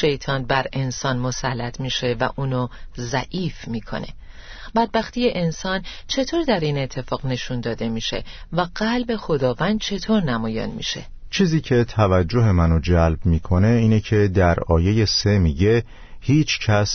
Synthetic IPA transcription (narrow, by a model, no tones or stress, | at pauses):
ʃe̞jt̪ʰɒːnbæɾe̞nsɒːnmo̞sælːæt̪ʰmiːʃe̞væʔuːnozæ̰ʔiːfmiːkʰo̞̰ne̞̰ | bæd̪̚bæxt̪ije̞ʔensɒːn | t͡ʃʰe̞t̪ʰoːɾd̪æɾiːne̞t̪ʰːe̞fɒːɣne̞ʃund̪ɒːd̪e̞miːʃe̞̰væɣɢælbe̞xo̞d̪ɒːvænd̪̥̚t͡ʃʰe̞t̪ʰoːɾnæmɒːjḛnmḭːʃe̞̰ | t͡ʃʰiːziːcʰe̞t̪ʰævæd͡ʒːo̞ɦe̞mænod͡ʒælbmiːkʰone̞iːnecʰed̪æɾɒ̰ːje̞je̞se̞miːɟe̞ | hiːt͡ʃʰcʰæs